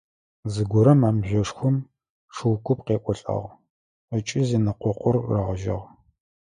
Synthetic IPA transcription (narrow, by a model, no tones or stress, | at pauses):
zɨɡʷʊɾɐmaːmʑʷɔʂxʷʊm | ʂɨwkʷʊpqeːʔʷʼɔɬʼɐ̰ʁ | ət͡ʃʼɪziːnɨqʷɔqʷʊrːɐʁəʒɐ̰ʁ